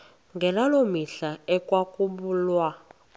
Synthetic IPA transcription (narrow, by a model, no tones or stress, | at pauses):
ŋɡɛlalomiɬaɛkʼwakʼumbuːlwa